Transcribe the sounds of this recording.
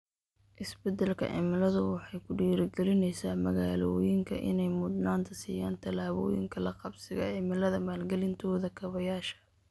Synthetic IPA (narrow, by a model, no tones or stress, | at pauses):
ʔɪsbɛd̪ɐlkʰɐ̰ʕɪ̰mɪlɐðʊwɑħɑjkʰʊɖiːɾɪɡɛlɪnɛjsaːmɐɣaːlɔːjɪŋkʰɐʔɪ̰nɛjmʊd̪naːnt̪ʰɐsiːjaːnt̪ʰɐlaːβɔ̰ːjɪ̰ŋkʰɐlɐqɑbsɪɣɐ̰ʕɪmɪlɐðɐmaːlɡɛlɪnt̪ʰɔːðɐkʰɐβɐjaːʃɐ̥